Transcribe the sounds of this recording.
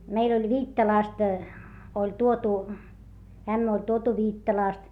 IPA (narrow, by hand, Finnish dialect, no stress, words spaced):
meil olʲ ʋiːtːɑlɑˑst olʲ tuotu æmːæ olʲ tuotu ʋiːtːɑlɑˑst